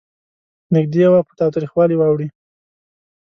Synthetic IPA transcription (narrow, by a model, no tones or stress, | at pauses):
nɪɡ̚d̪eawapət̪ɑwt̪ɾixwɑliwɑwɽi